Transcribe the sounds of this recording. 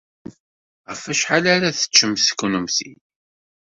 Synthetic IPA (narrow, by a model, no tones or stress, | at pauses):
ʁəfæʃħalaɾaθə̥t͡ʃːəmskːunəmθḭ